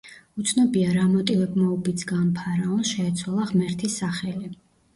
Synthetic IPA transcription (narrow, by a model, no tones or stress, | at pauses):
ut̪sʰnɔbiaɾamɔt̪ʼilɛbmaɔbisɡampʰaɾaɔnsʃɛːt̪sʰwalˠaʁmɛɾt̪ʰisːaχɛli